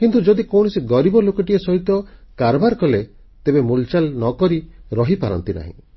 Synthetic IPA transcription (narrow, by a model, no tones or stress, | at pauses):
kint̪ud͡ʒɔd̪ikɔwɽ̃ɔsiɡɔɾibɔlokɔʈiesɔɦit̪ɔkaɾɔbaɾkɔle | t̪ebemult͡ʃalnɔkɔɾiɾɔɦipaɾɔ̰nt̪ina̰ɦḭ̃